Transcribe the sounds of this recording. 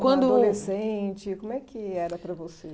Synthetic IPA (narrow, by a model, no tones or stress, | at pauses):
kwɐ̃nd̪ʊlesẽt͡ʃɪkõmʊɛkɪɛɾɐpɾɐvose